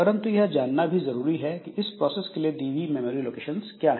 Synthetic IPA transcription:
ɐɾə̃nt̪ujɐɦd͡ʒaːnːabʱizɐɾuːɾiɦɛkiʔɪspɾɔːseːskelieɖiːʋimeːmoːɾiloːkeːʃənskjaːɦɛ

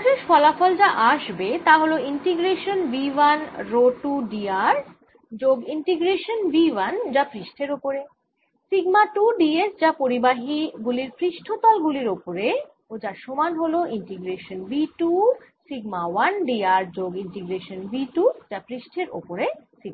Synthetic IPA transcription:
d͡ʑeʃfɔlafɔld͡ʑaʔaʃbet̪aɦoloiɳʈiɡɾeʃonbiwanɾoʈuɖiaɾ | d͡ʑoɡiɳʈiɡɾeʃonbiwand͡ʑapɾiʃʈʰeɾopoɾe | siɡmaʈuɖiesd͡ʑapoɾibaɦiɡuliɾpɾiʃʈʰot̪ɔlɡuliɾopoɾe | od͡ʑaɾʃɔmanɦoloʔiɳʈiɡɾeʃonbiʈusiɡmawanɖiaɾd͡ʑoɡiɳʈiɡɾeʃonbiʈud͡ʑapɾiʃʈʰeɾo̰poɾesiɡ̚a

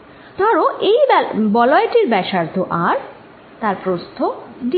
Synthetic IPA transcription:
t̪ɔɾoʔejbɔlɔeʈiɾbɛʃaɾt̪ʰoʔaɾ | t̪aɾpɾost̪ʰoɖi

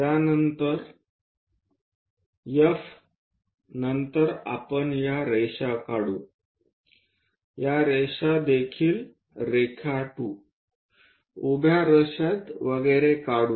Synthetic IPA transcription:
tjanənt̪əɾ | jef | nənt̪əɾa̰pəɳjaɾeɕakaɽu | jaɾeɕad̪ekʰiːl | ɾekʰaʈu | ubʱjaɾəɕat̪ʋəɡəjɾekaɽuː

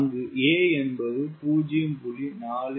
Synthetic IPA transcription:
ŋɡɯeːɛnbɐðɯpuːd͡ʒɪjɯmpʊlinaːlɯ

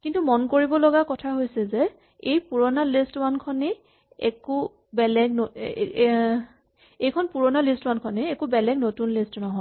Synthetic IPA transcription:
kintumɔnkoɹibɔlɔɡakɔtʰaɦojsɛzɛ | ejpuɹɔnalistwankʰɔnɛ | ɛ̰ku | bɛlɛɡo | ejkʰɔnpuɹɔnalistwankʰɔnɛːkubɛlɛɡnotunlistnɔɦɔ

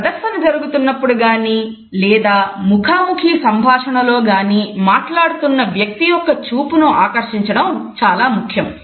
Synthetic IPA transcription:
pɐd̪ɐɾsɐnɐd͡ʒɐɾuɡut̪unːɐpːuɽuɡaːniː | lɛːd̪aːmukʰaːmukʰisɐmbʱaːʂɐɳɐlo̞ːɡaːniːmaːʈlaːɽut̪unːɐʋjɐk̚t̪ijɔkːɐt͡ʃuːpunuaːkɐɾʂiɲt͡ʃɐɽɐmt͡ʃaːlaːmukʰjɐm

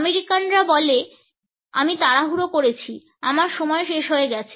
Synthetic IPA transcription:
meɾikanɾabɔle | a̰mit̪aɽaɦuɾokoɾet͡ɕʰi | amaɾʃɔmɔeʃeʃɦoeɡɛt͡ɕʰe

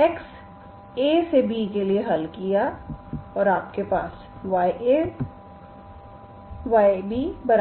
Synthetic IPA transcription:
eks | eːsebikelieɦɐlkija | ɔːɾaːp̚kepaːs | ʋaːeʔe | ʋaːebʱibɐɾ

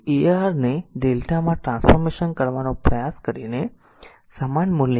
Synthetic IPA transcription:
eaɾneɖelʈamãʈɾãnsfɔɾmeʃənkəɾʋanõpɾəjaskəɾine | səmanmulj

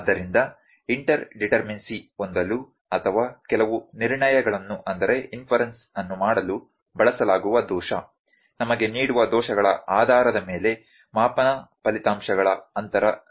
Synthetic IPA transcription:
d̪ːɐɾind̪ɐ | iɳʈɐɾɖiʈɐɾminsiond̪ɐlu | ɐt̪ʰɐʋaːkɛlɐʋuniɾɳɐjɐɡɐɭɐnːuʔɐnd̪ɐɾe̞inpʰɐɾens | ɐnːumaːɽɐlu | bɐɭɐsɐlaːɡuʋɐd̪ɔːʃɐ | nɐmɐɡe̞niːɽuʋɐd̪ɔːʃɐɡɐɭɐʔaːd̪ʱaːɾɐd̪ɐme̞ːle̞ | maːpɐnɐpɐlit̪aːmʃɐɡɐɭɐɐnt̪ɐɾɐ

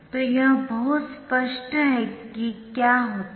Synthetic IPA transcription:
t̪ojɐɦbɐɦʊt̪spəʃʈɦɛkikjaːɦoːt̪

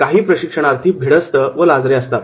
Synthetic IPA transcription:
kaɦiːpɾəɕikʂəɽ̃aɾt̪ʰiːbʱiɽəst̪əʋəlad͡zɾeəst̪a

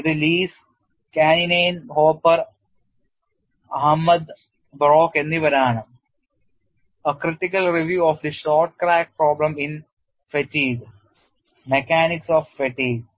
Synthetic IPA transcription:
ðiliːs | kaːnineːnɦoːpːɐɾ | ɐɦɐmːɐd̪ | bɾoːkenːiʋɐɾaːɳɐm | əkɾiʈikɐlɾiʋjuːɔːfd̪iʃoːɾʈ̚kɾaːk̚pɾoːblɐmin | fɐʈiːɡ | mekaːniksɔːfːɐʈiːɡ

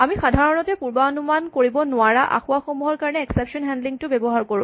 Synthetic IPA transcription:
amixadʱaɹɔnɔtɛpuɹbaɔnumankoɹibɔnʊaɹaʔa̰xʊaxomuɦɔɹkaɹɔnɛɛksɛpsɔnɛndliŋtʊbebɔɦaɹkoɹṵ̃

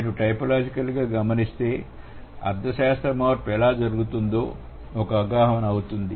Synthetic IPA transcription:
ʈuʈɐjpɐlaːd͡ʒikɐlɡaːɡɐmɐnist̪e̞ː | ɐ̰ɾd̪ːɐʃaːst̪ɾɐmaːɾpɛlaːd͡ʒɐɾuɡut̪und̪o̞ː | ɔkɐɡaːɦɐʋɐnɐɐwut̪und̪i

